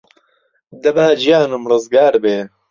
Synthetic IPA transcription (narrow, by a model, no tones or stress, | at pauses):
d̪ɐbaːd͡ʒijaːnɨmrɨzɡaːɾbeː